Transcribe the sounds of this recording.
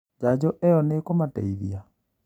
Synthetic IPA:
d͡ʒad͡ʑɔʔɛɔnekomatɛ̰iðia

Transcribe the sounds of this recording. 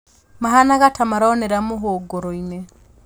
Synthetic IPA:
maɦanaɣatamaɾaɔneɾamoɦoɡoɾoine

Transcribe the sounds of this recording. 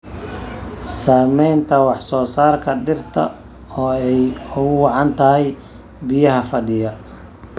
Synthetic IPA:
saːmɛjnt̪ʰɐwɑħsɔːsaːrkʰɐɖɪrt̪ʰɐ̰ | ɔːɛjʊɣʊwɑʕɑnt̪ʰɐɦɛj | bɪjɐɦɐfɐɖɪjɐ

